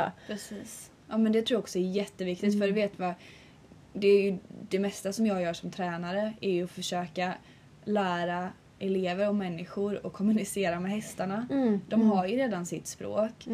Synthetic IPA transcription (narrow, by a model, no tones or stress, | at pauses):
pʰɾɛsiːs | ʔɑːmɛnd̪ɛt̪ʰɾuːaɔksɔæɾjɛt̪ːəvɪkt̪ɪt̪fœɾveːt̪va | d̪ɛːɾjɵd̪ɛmɛst̪asɔmjɑːɡjœːʂɔmt̪ʰɾɛːnaɾəæɾjɵɔfœʂøːka | læːɾa | ʔɛleːvəɾɔmɛnːɪɧʊɾɔkʰːɔmːɵnɪseːɾamɛhɛst̪aɳad̪̥ɔmɦaɾjɵɾeːd̪ansɪt̪spɾo̰ːk